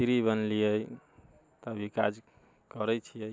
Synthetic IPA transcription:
siɾibənliəj | t̪abʱikad͡ʒ | kəɾət͡ʃʰijəj

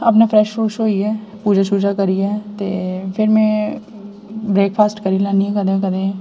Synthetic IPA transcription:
ɐp̬nafʰɾɛːʃfuːʃɦoːiɦɛːpuːd͡ʒasuːd͡ʒakɐɾiɛːt̪epʰɪɾmẽ | bɾeːkpʰaːsʈkɐɾilaːniɦɛkɐd̪ekɐd̪ẽː

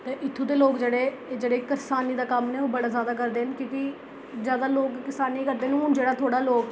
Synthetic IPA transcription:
t̪eːʔɪt̪ʰːũːd̪eːloːkd͡ʒeːɽeː | d͡ʒeːɽeːkəɾsaːniːd̪aːkəmneːoːbəɽaːzjaːd̪aːk̬əɾd̪eːnkjõːki | zjaːd̪aːloːkkɪsaːniːkəɾd̪eːnũːʊnd͡ʒeːɽaːt̪ʰoːɽaːloːɡ

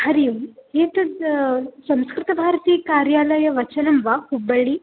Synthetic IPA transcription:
hɐɾijumɦeːt̪ɐ | sɐ̃mskɾɪt̪ɐbʱaːɾɐt̪iːkaːɾjaːlɐjɐʋɐt͡ʃɐnɐmʋahubɐɭi

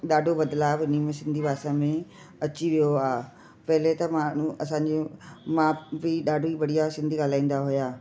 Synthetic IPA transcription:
ɗaːɖʱobɐd̪laːbɪnimẽsɪ̃nd̪ʱibaːsãmẽ | ɐt͡ɕiʋijoaː | pɐɦɪlet̪ɐmaːɳ̤ũʔɐsãːɲd͡ʑemãːbiɗaːɖʱoibɐɽijasɪ̃nd̪ʱiɠaːlaːĩːn̆d̪aɦʊjaː

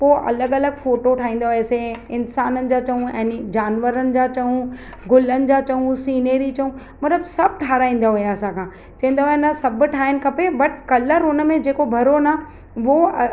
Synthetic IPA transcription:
poːʔɐ̰ləɡɐləɡfoːʈoʈʰaːĩːn̆d̪aɦeseɪnsaːnənɪ̆d͡ʑaːt͡ɕɐɦũɛ̃ːnd͡ʑaːnʋəɾənɪ̆d͡ʑat͡ɕɐɦũ | ɡʊlənɪ̆d͡ʑat͡ɕɐɦũsiːnəːɾit͡ɕɐɦũ | mɐt̪ləbsɐb̚ʈʰaːɾaːĩːn̆d̪aɦʊjaɐsãkʰãː | t͡ɕɐɦĩːnd̪aɦujanɐsɐbʈʰaːɪnɪ̆kʰɐpebɐʈʰkɐləɾɦʊnəmẽd͡ʑeːkobʱɐɾona | ʋo

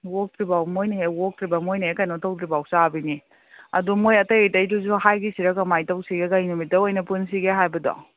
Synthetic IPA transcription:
wok̚tɾibawmojniɦewok̚tɾibɐmojnɐɦekajnɔtɐwtɾibawsabini | ɐdumojɐtɐjitɐjduzuɦajɡisiɾɐkɐmajtɐwsiɡekajnumitɐojnɐpuns̬iɡeɦajbɐdɔ̰

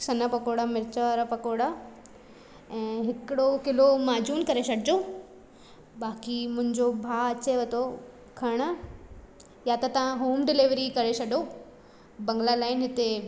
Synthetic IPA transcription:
sɐnəpɐkoːɽamɪɾɪt͡ɕəʋɾpɐkoːɽa | ɛ̃ːɦɪkɪɽokɪlomaːd͡ʑuːnkɐɾesɐɽɪd͡ʑo | baːkimʊ̃ɦɪ̃ɲd͡ʑobʱaːɐt͡ɕeʋɐt̪ʰo | kʰɐɽ̃ə | jat̪ɐt̪ɐʋãɦoːmɖɪlɪʋɾikɐɾesɐɗo | bɐ̃ŋɡlalaːɪnɦɪt̪e

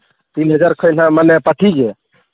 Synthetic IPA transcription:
t̪inɦəd͡ʒaɾkʰəjn̤ãmənɛpəʈʰiɡe

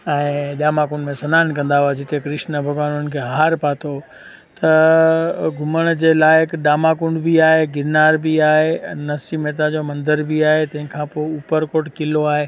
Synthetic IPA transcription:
ɛ̃ːɗaːmaːkʊɳɖmẽsɐnaːnkɐ̃nd̪aɦuad͡ʑɪt̪ʰekɾɪʃnəbʱɐɡʋãːnʊnənkʰeːɦaːɾpaːt̪ʰo | t̪ɐ | ɡʱʊməɽ̃d͡ʑeːlaːɪɪkɗaːmaːkʊ̃ɳɖbʱiaːɦeɡɪnaːɾbiaːɦenɐsimeːt̪̬ad͡ʑomɐ̃nd̪əɾbiaːɦet̪ɐ̃ɦɪ̃kʰãpoːupəɾkoːʈkɪloaːɦeː

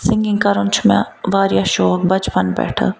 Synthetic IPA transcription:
sɪ̃ŋɡɪ̃ŋkɐɾənt͡ʃʰmḛ̃ʋaːɾjaʃɔːk̚bɐt͡ʃpənbɛ̰ːʈʰə̰

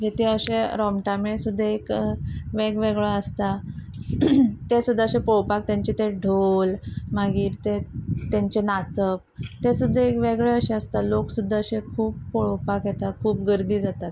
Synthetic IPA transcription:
d͡ʑet̪ʰiəɕẽɾɔmʈamesud̪ʱːəekʋeɡʋeɡɭeəst̪a | t̪esud̪ʱːaəɕẽpoɭpak̚t̪jãɲt͡ɕet̪eɖʱolmaɡiːɾt̪et̪jãɲt͡ɕenat͡səp̚t̪esud̪ʱːəekʋeɡɭeəɕẽəst̪aloksud̪ʱːəəɕẽkʰuːpːoɭpakjɛt̪akʰuːp̚ɡəɾd̪iːd͡zat̪at̪

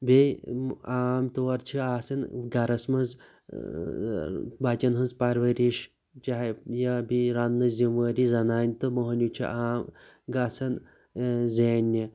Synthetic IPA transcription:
be | aːmt̪oːɾt͡ʃʰiaːsɐnɡɐɾɐsmɐnz | bat͡ʃɐnɦɨnzpɐɾʋɐɾiʃ | t͡ʃaɦjabiɾanːɨzimʋɐɾizɐnaːnʲt̪ɨmoɦɐnʲut͡ʃʰḭʔaːm | ɡaːsɐn | zeːnʲːi

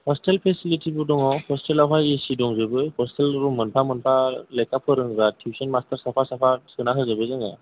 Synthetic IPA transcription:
hɔstelpʰesilitʰibudɔŋawhɔstelɔpʰajisidɔŋzɯbɯhɔstelɾumɯnpʰamɯnpʰalejkapʰɯɾɯŋzatʰjusɔnmastəɾsapʰasapʰasɯnakʰɯzɯbɯjzaŋa̰

